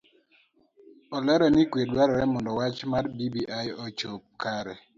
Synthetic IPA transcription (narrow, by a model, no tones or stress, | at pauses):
ɔlɛɾɔnikwedwaɾɔɾɛmɔndɔwat͡ʃmarbibiʔajɔt͡ʃop̚kaɾɛ